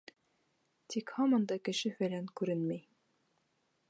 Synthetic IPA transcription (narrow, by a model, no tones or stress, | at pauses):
t̪ikhɑmɑ̆nd̪ɑkɘ̆ʃɘfælæŋkʉɾɘnmæj